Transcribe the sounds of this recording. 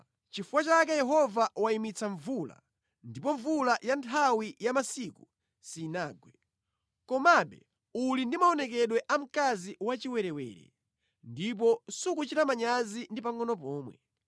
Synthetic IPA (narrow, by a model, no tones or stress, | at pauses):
t͡ʃifuwat͡ʃakɛjɛɦɔvawaimit͡saɱvula̰ | ndip̬ɔɱvulajantʰawijamasiku | siːnaːɡwɛ | kɔmaɓɛ̰ | ulindimaɔnɛkɛɗwɛʔam̩kaziwat͡ʃiwɛɾɛwɛ̰ːɾɛ̰ | ndip̬ɔsukut͡ʃiɾamaɲazindipaŋɔnɔp̬ɔːmwɛ̰